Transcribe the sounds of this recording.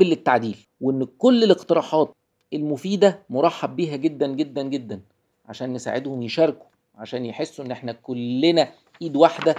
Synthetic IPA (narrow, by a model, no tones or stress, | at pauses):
elːet̪ːaʕd̪iːl | weʔenːkolːeleqt̪eɾˤɑːħɑːt̪̚ | elmofiːd̪æmoɾˤɑħːɑb̚ːiːɦæɡed̪ːænɡed̪ːænɡed̪ːæn | ʕa̰ʃæːnːesa̰ːʕed̪homjeʃɑːɾˤku̥ | ʕaʃæːnjeħesːuʔenːʔeħnækolːenæ | ʔiːd̪waħd̪æ